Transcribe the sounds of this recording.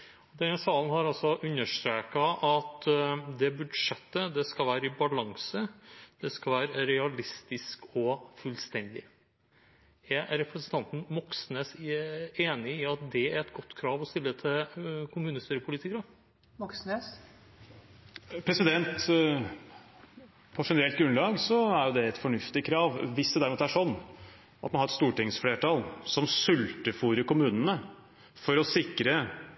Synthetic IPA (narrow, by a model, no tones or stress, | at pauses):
ɔd̪ɛnsɑːln̩hɑɾɑlsɔʔʉnːəʂt̪ɾeːkɑʔɑt̪d̪ɛbʉd̪ʂɛt̪ːəd̪ɛskɑʋæːɾəɪbɑlɑŋsəd̪̥ɛskɑlʋæːɾəɾɛɑlɪst̪ɪskɔfʉlst̪ɛnd̪ɪ̰ | ɛɾɾɛpɾsənt̪ʰɑnt̪n̩mɔksnes | eːnɪɪɑt̪̚d̪ɛæɾɛt̪ɡɔt̪ːkʰɾɑːʋɔst̪ɪlːət̪ʰɪlkʰʊmʉːnəst̪yːɾəpʰʊlit̪ɪkɾə | mɔksnes | pʰɾɛsɪd̪ɛnt̪ | pʰɔʂɛnəɾɛlt̪ɡɾʉnlɑːɡsɔæɾjʊd̪ɛɛt̪fɔɳʉft̪ɪkʰɾɑːʋʋɪsd̪ɛd̪æɾmuːt̪æʂɔnː | ɑt̪mɑnhɑɾɛt̪st̪uːʈɪŋsfleːʈɑːlsɔmsʉlt̪əfuːɾəkʊmʉːnənə | fɔɾɔsɪkɾə